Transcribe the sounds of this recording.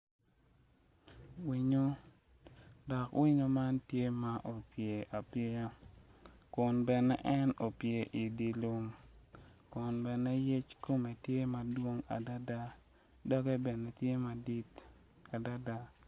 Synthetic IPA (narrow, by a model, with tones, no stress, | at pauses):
wi˨ɲo˦ | dɔ˨kwʔi˦ɲo˦ma˦ntje˦ma˦ʔo˨pje˨ʔa˨pɪ˦ɾa˦ | kʊ˨nbɛ˨nɛ̰˦ʔɛ˦no˨pje˨ʔi˨di˨lu˦m | kʊ˨nbɛ˨nɛ˦je˦t͡ʃko˦me˨tje˦ma˨dwo˦ŋa̰˨da˦da˦ | dɔ˦ɡe˦bɛ˨ne˨tje˦ma˨di˦t | a˨da˦da˦